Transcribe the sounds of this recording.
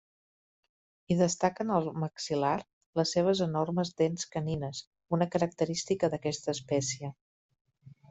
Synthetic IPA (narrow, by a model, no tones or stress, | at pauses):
iðəst̪akənəlˠməksilar | ləsːeβ̞əzənorməzd̪enskəninəs | unəkəɾək̚t̪əɾist̪ikəðəkɛst̪əːspɛsiə